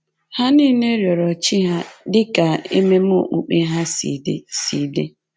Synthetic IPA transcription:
ha˦ni˦ne˦ɾjɔ˨ɾɔ˨t͡ʃi˦ɦa˦dɪ˦ka˨ḛ˦me˦m˦o˦˨ʔu˨k͡pe˦ɦa˦sḭ˨dḛ˦si˨de˦

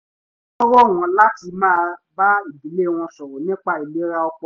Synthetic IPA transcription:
ɔ̃˦ɾɔ˦˨w̃ɔ̃˧la˦ti˧mãː˦˧ba˦i˦˨bi˨˦le˦˨w̃ɔ̃˧sɔ˨ɾɔ˨nĩ˦k͡pa˧i˨le˨˦ɾa˧ɔ˧k͡pɔ˧

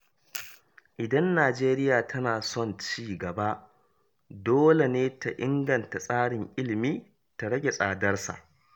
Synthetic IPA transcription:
ʔɪ˨dɐ˦nːaː˨d͡ʒeː˦ɾɪ˦jaː˨tʰɐ˦naː˨sɔ˦˨nt͡ʃiː˦˨ɡɐ˨ba˦ʔ | doː˦le˨neː˦ta˨ʔɪ˦ŋɡɐ˨nta˨sʼaː˦ɽɪ˨ŋʔɪ˦lɪ˨miː˦ | ta˨ɽɐ˦ɡʲe˨sʼaː˨dɐ˦rsa̰˨ʔ

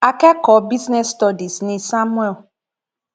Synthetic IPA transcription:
a˨kɛ˦kɔ˨bi˦snɛ˦st̪ɔ˦di˨snĩ˨sa˦mũ˦ɛ˦˨l

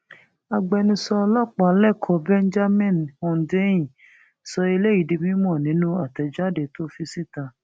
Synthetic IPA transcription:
a˧ɡ͡bɛ˧nĩ˧sɔ˧lɔ˦˨k͡pa˨˦lɛ˦˨kʰɔ˧˦bɛ˦n˦d͡ʒa˦mĩ˦˨nhɔ̃˨˧n˨de˦jĩ˨ | sɔ˧i˧le˦i˨di˧mĩ˦mɔ̃˦˨nĩ˨˦nũ˦a˦˨tɛ˨d͡ʒa˦˨de˨to˦fi˧si˦ta˧

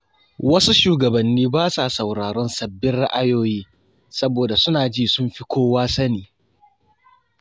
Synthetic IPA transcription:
wɐ˦su˦ʃuː˨ɡɐ˨bɐ˨nːiː˦baː˦sa˨sɐ˨wɾaː˨ɾɔ˦nsɐ˨bːɪ˦rɽa̰˦ʔa˨joː˦jiː˦ | sɐ˦boː˨da˨sʊ˦naː˨d͡ʒiː˦˨sʊ˦mɸi˦kʷoː˦waː˦sɐ˦niː˨

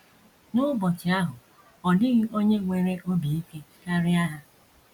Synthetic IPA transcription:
nʊ˦bɔ˨t͡ʃɪ˨a˦ɦʊ˨ | ɔ˨dɪ˦ɣɪ˦o˦ɲe˦ŋʷe˨ɾe˦ʔo˦bi˨i˦ke˦ka˦ɾɪ˦a˦ɦa˦

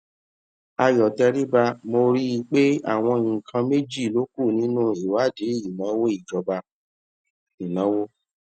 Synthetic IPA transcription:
a˧jɔ˨tɛ˧ɾi˦ba˧mo˧ɾi˦i˧k͡pe˦a̰˦˨w̃ɔ̃˧ŋ̩˨kʰã˧me˦d͡ʒi˦˨lo˨˦ku˦˨nĩ˨˦nũ˦i˨wa˨˦de˨˦i˨nã˨˦wo˦i˦˨d͡ʒɔ˧ba˧ | i˨nã˨˦wo˦

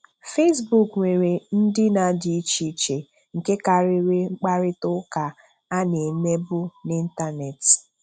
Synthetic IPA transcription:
fe˦s̬bu˦kŋʷe˨ɾe˨n̩˦dɪ˦na˨˦dɪ˨i˦t͡ʃi˦t͡ʃe˨ | ŋ̩˨ke˦ka˨ɾɪ˦ɾe˦ŋ͡m̩˦k͡pa˦ɾɪ˦tʊ˦ka˨ | a˦ne˨me˦bʊ˦nɪ˦n̩˦ta˦ne˨t

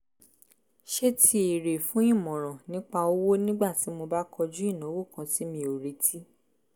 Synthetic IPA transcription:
ʃe˦tʰi˧i˨ɾe˨fũ˦ĩ˦˨mɔ̃˨ɾ̃ã˨nĩ˦k͡pa˧o˦wo˦nĩ˦ɡ͡ba˦˨ti˨˦mo˧ba˦kʰɔ˧d͡ʒu˦i˦˨nã˨˦wo˦˨kã˧ti˨˦mĩ˧o˨ɾe˨tʰi˦

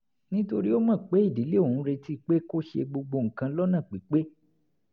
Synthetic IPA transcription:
nĩ˦to˧ɾi˦o˦mãː˦˨k͡pe˨˦i˦˨di˨˦le˦o˦˨ũ˨˦ɾe˧ti˦˨k͡pe˦ko˦ʃḛ˧ɡ͡bo˧ɡ͡bo˧ŋ̩˨kã˧˦lɔ˦nã˦˨k͡pi˨˦k͡pe˦

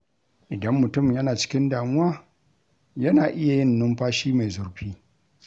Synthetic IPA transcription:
ʔɪ˨dɐ˦mːʊ˨tʊ˦˨mjɐ˦naː˨t͡ʃɪ̥˦kʲɪ˦ndaː˨mʊ˦waː˦ | jɐ˦naː˨ʔɪ˦ja˨jɪ˦nːʊ˦mɸaː˦ʃiː˦ma˨zʊ˨ɽɸiː˦

